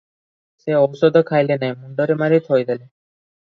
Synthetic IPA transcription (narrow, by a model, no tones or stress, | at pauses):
seɔwsɔd̪ʱɔkʰajlenajmuɳɖɔɾemaɾit̪ʰɦɔjd̪ʱele